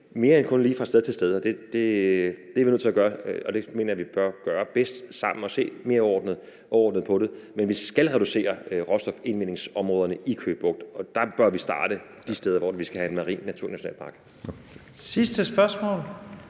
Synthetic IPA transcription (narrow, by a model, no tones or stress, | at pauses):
me̝ːɐenkʰɔ̽nliːfʁɑ̈sd̥eð̩ˠt͡sʰe̝lsd̥eðˠɒ̽d̥e̝d̥e̝d̥eɐʋinøð̰ˠt͡sʰe̝æɡ̥ɶːɐɒ̽d̥e̝me̝ːnɐjæʋib̥ɶɐɡ̥ɶːɐb̥esd̥sɑ̈m̰n̩ɒ̽se̝̰ːme̝ːɐɒ̰ːd̥n̩ð̩ˠ | ʔɒɒːdnð̞̩ˠpʰɒ̽ɾemenʋisɡ̥ælʁɛɾ̥use̝̰ːɐʁɒ̽sd̥ɒ̽fe̝nʋen̰e̝ŋsɒ̽mʁɔːðˠɐnəʔikʰøːb̥b̥ɔ̽ɡ̥d̥ɒ̽d̥ɑ̈b̥ɶɐʋisd̥ɑ̈ːd̥ə | d̥isd̥eːð̞ˠɐʋɒ̰ʋisɡ̥æhæe̝nmɑ̈ʁḭːnːæt͡sʰuɐnæʃɕo̝ɛ̰ːlpʰɑ̈ɡ̥ | sisd̥əsb̥ɶɐsmɔ̰ːl